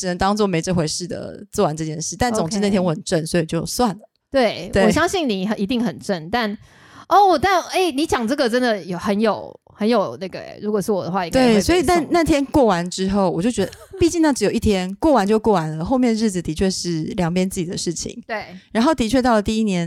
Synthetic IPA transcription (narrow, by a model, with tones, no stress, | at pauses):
ʈ͡ʂɻ̩˨˩ə˧˦ŋt̪ɑ˥ŋt͡swɔ˥˩me˧˥ɪʈ͡ʂə˥˧nxwe˧˥ɪʂɻ̩˥˩d̪ə̰˩t͡swɔ˥˩wa˧˦nʈ͡ʂɤ˥˧t͡ɕjɛ˥˧nʂɻ̩˥˩t̪a˥˩nt͡sʊ˨ŋʈ͡ʂɻ̩˥˧a˥˩t̪ʰjɛ˥nwɔ˧˩xə˨˩nʈ͡ʂə˥˩nswɔ˧˥i˨t͡ɕjo˥˩ʊ˩swa˥˩nlə˩t̪we˥˩ɪwe˥˩ɔ˨ɪɕjɑ˥ŋɕi˥˩ŋni˨˩˨ʔi˧˥t̪i˥˩ŋxə˨˩nʈ͡ʂə˥˩nt̪a˥˧n | ɔ˥˩˨t̪a˥˩ne˥˩ɪni˧˥t͡ɕjɑ˨˩ŋʈ͡ʂɤ˥˩ɡə˨˩ʈ͡ʂə˥nd̪ə˨jo˨˩xə˧˦njo˨˩ʊ | hə˧˦njo˨˩ʊna˥˩ɡə̰˩ɻu˧˥kwɔ˨˩ʂɻ̩˥˩wɔ˨d̪ə˩˧wa˥˧˨i˧˥ŋt̪we˥˩ɪswɔ˧˥i˨t̪a˥˧nna˥˩t̪ʰjɛ˥nkwɔ˥˩wa˧˥nʈ͡ʂɻ̩˥xo˥˩ʊwɔ˨˩t͡ɕjo˥˩ʊt͡ɕɥɛ˧˥d̪əpi˥˧t͡ɕi˥˧ŋna˥˩ʈ͡ʂɻ̩˧˥jo˨˩ʊi˥˩t̪ʰjɛ˥nkwɔ˥˩wa˧˦nt͡ɕjo˥˧ʊkwɔ˥˩wa˧˥nlə˨xo˥˧ʊmjɛ˥˧nɻ̩˥˩d͡z̩˨˩t̪i˧˥t͡ɕʰɥɛ˥˧ʂɻ̩˥˩ljɑ˨˩ŋpʰjɛ˥nt͡sɹ̩˥˩t͡ɕi˨˩d̪ə˦ʂɻ̩˥˩t͡ɕʰḭ˨˩ŋt̪we˥˩ɻa˧˥nxo˥˩ʊt̪i˧˥t͡ɕʰɥɛ˥˧t̪ɑ˥˩ʊlə˩t̪i˥˧i˥njɛ˧˥n